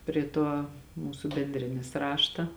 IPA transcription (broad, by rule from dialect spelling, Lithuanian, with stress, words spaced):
ˈpʲrʲɪ tuɔ ˈmuːsʊ bʲɛnʲˈdʲrʲeːnʲɪs ˈrɑːʃtɐ